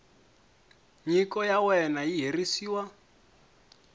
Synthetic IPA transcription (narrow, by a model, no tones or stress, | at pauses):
ɲikɔjawɛnajiɦerisiːwa